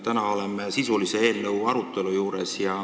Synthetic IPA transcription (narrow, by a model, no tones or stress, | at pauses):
t̪ænɑo̞lemːesisulise̞e̞ːlnɤwɑɾut̪ːˑe̞lujuːɾe̞sjɑ